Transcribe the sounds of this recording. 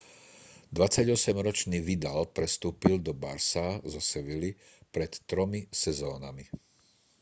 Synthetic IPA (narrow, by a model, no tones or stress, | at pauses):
d̪ʋat͡saɟɔsɛmɾɔt͡ʃniːʋid̪alpɾɛst̪uːpild̪ɔba̰ɾsazɔsɛʋili | pɾɛt̪ːɾɔmisɛzɔːnami